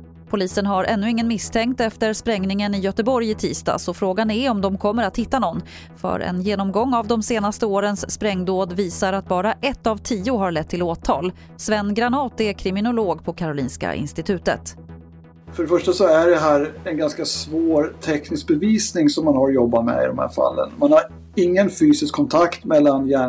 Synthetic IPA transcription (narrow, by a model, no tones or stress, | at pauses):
pʰʊliːsənɦaɾʔɛnːɵɪŋːənmɪst̪ʰɛŋkt̪ɛft̪əɾspɾɛŋnɪŋənɪjœt̪əbɔɾjɪt̪ʰḭːst̪ɑ̰ːsɔfɾoːɡanɛɔmd̪ɔmkʰɔmːəɾat̪hɪt̪ːanɔnː | fœ̰ɾɛ̰njeːnɔmɡɔŋːavd̪ɔmseːnast̪əoːɾənsːpɾɛŋːd̪oːd̪viːsaɾat̪̚bɑːɾaʔɛt̪ːavt̪ʰiːʊɦaɾɭɛt̪ʰːɪloːt̪ʰɑ̰ːl | svɛnːɡɾanɑːt̪ɛɾkʰɾɪmɪnʊloːɡpʰɔkʰaɾʊliːnska̰ʔɪ̰nst̪ɪt̪ʰʉ̟ːt̪ə̰t̪ | fœɖɛfœʂʈasɔæɖɛɦæːɾɛnɡanskasvoːɾt̪ʰɛknɪsk̚bɛviːsnɪŋsɔmːanhaɾjɔbːamɛ̰ɪ̰d̪ɔmhæ̰ːɾfa̰lːə̰nmanhaɾ | ɪŋːənfyːsɪskʰːɔnt̪ʰakt̪mɛlːanjæː